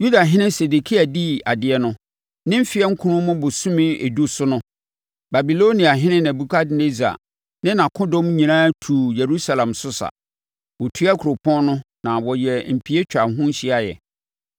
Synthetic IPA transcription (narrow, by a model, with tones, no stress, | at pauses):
ju˦da˨ɦɪ̃˦nɪ̃˦se˨du˨kʰi˦a˨di˦a˨dɪ˨ɛ˦nʊ̃˦ | nɪ̃˦m̩˦fi˦ɛ˦ŋ̩˦kʰũ˦ʊ̃˦mʊ̃˦bʊ˨sũ˦mɪ̃˦e˨du˦sʊ˦nʊ̃˦ | ba˨bi˨lo˦nĩ˨a˨ɦɪ̃˦nɪ̃˦n˨æ̃˨bu˨kʰa˦dne˦za̰˨ | nɪ̃˦nã˨kʰʊ̃˦dɔ̃˦mɲĩ˨nã˦tʰuː˨je˨ɾu˦sa˨lã˨msʊ˦sa̰˨ | wɔ˨tʰu˦a˦kʰu˨ɾo˨pʰɔ̃˦nnʊ̃˦ | nã˨wɔ˨jɛ˨m̩˨pʰi˦e˦t͡ɕᶣa˨ɦʊ̃˦n̩˦ɕɪ˦a˨jɛ̰˨